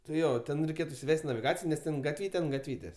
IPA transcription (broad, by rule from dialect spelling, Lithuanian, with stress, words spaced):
tɐɪ ˈjoː ˈtʲɛn rʲɛɪˈkʲeːt ɪsʲɪˈʋʲɛsʲtʲ nɐʋʲɪˈɡɑːt͡sʲɪjoː nʲɛs ˈtʲɛn ɡɐtʲˈʋʲiːtʲɛ ɐnt ɡɐtʲˈʋʲiːtʲeːsʲ